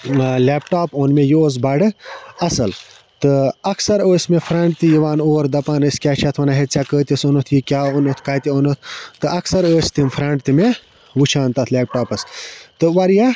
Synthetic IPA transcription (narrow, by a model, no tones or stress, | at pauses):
leːpʈaːpoːnmejooːz̬bɐɖɨɐsɐl | t̪ɨɐksɐɾəːsʲmefʰɾɐɳʈ̚t̪ijiʋaːnoːɾd̪ɐpaːnəsʲkʲaːt͡ʃʰɐt̪ʰʋɐnaɦet̪t͡sʲakəːt̪ʲisonot̪ʰjikʲjaːonot̪ʰkaːt̪ʲioːnot̪ʰt̪ɨʔɐksɐɾəːsʲt̪imfʰɾɐɳʈt̪ime | ʋut͡ʃʰaːnt̪ɐt̪ʰleːp̚ʈaːpɐst̪ɨʋɐɾja